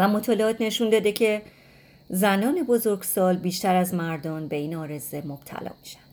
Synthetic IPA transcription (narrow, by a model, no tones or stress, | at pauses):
væmo̞t̪ʰɒːleɒːt̪ʰne̞ʃund̪ɒːd̪e̞cʰe̞ | zænɒːne̞bo̞zo̞ɾɡsɒːlbiːʃt̪æɾæzmæɾd̪ɒːnbe̞iːnɒːɾe̞ze̞mob̥̚t̪ʰæ̰lɒ̰ːmi̥ʃæ̥nd̪̥